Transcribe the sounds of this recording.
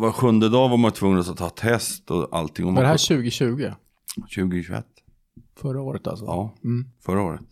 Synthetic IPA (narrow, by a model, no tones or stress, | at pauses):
vaɾɧɵnd̪əd̪ɑːvaɾmanjt̪ʰvɵŋːənasat̪ʰːɑːt̪ʰːɛst̪ɔa̰lt̪ʰɪŋːɔmd̪ɛɦæːɕʉ̟ːɡɪɕʉ̟ːɡɪ | ɕʉ̟ːɡɪɕʉɛ̰t̪ː | fœɾaoːɾət̪a̰lsɔɑːfœɾaoːɾət̪